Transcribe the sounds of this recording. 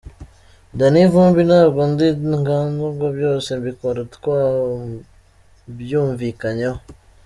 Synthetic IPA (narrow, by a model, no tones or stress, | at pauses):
ndanivuːmbinaɡundiŋɡanzuɡobjoːsembikoɾetkwa | bjuːɱvikaɲo